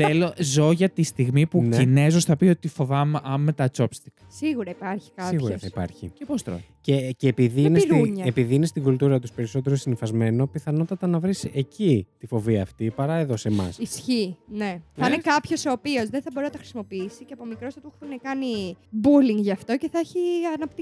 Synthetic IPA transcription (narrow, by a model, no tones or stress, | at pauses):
θelozo̞ʝɐt̪ist̪iɣmipunine̞zosθɐpio̞t̪ifo̞vɐmeʔɐmmːet̪ɐt͡so̞pst̪iksiɣuɾɐipɐɾçi̥kɐsiɣɣuɾsθɐipɐ̰ɾçḭcepost̪ɾo̰ceceːpiðiinesɾɲɐepiðiinest̪iɡult̪uɾɐt̪uspe̞ɾiso̞t̪e̞ɾosinifɐzme̞no̞piθɐno̞t̪ɐt̪ɐnɐvɾisecit̪ifo̞viɐft̪ipɐɾɐe̞ðo̞se̞mɐ̰sisçine̞θɐinekɐpço̞soːpio̞zðenθɐboɾinɐt̪ɐxɾisimo̞piisiceɐpomikɾo̞stɐt̪uxθunekɐnibuliŋɡʝɐːft̪o̞ce̞θɐeçiɐnɐpt̪i